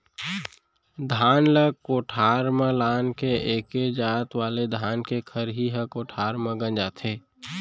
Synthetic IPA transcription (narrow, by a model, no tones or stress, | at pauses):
d̪ʱaːnləkoːʈʰaːɾmẽlaːnkeʔeːked͡ʒaːt̪ʋaːled̪ʱaːnkekʰəɾɦiɦəkoːʈʰaːɾmẽɡə̃nd͡ʒaːt̪ʰeː